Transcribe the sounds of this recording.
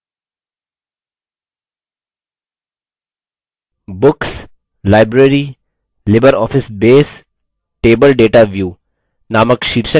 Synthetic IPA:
bʊks | laːɪbɾeɾi | lɪbəɾɔːfʰɪsbeːs | ʈeːbəlɖeːʈaʋjuː | naːməkʃiːɾʃə̃

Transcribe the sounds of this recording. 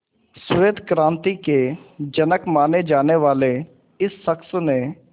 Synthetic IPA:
sʊʋeːd̪ʱkɾãːnt̪iked͡ʒənəkmaːned͡ʒaːneʋaːle | ɪsːəksnẽ

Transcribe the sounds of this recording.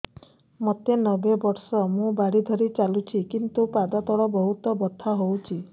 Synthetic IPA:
mɔt̪enɔbebɔɾsɔmũbaɽid̪ʱɔɾit͡ʃalut͡ʃʰikint̪upad̪at̪ɔɽɔbɔɦut̪ɔbɔt̪ʰːaɦowt͡ʃʰi

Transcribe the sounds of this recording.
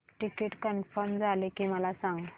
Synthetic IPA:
ʈikeʈkənfəɾmd͡zʱalekiməlasãŋɡ

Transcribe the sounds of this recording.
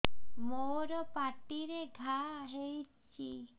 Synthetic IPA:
moɾɔpaʈiɾeɡʱaɦejt͡ɕʰi

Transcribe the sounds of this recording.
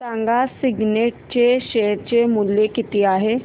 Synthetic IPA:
tãːŋɡasɪɡneːʈ̚t͡ʃeʃeːɾt͡ʃemʊljekɪt̪ijaɦɛː

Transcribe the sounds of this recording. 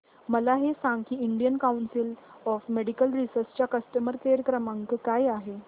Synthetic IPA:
məlaɦesãŋɡkiːiɳɖijənkawnsil | ɔfmeɽikəlɾisəɾst͡ɕjakəsʈəməɾkeɾəkɾəmaŋkkajaɦe

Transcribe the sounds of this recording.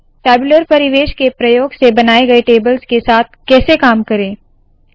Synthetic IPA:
ʈɛːbʊləɾpɐɾɪʋeːʃkepɾɐjoːɡsebɐnaːeɡɐeʈeːbəlzkesaːt̪̚ʰkɛːsekaːmkɐɾẽː

